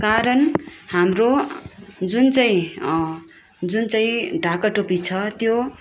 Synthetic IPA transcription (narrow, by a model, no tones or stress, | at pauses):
kaɾʌnhamro | d͡zunt͡saĩ | d͡zunt͡saĩɖʱakʌʈopit͡sʰʌt̪jo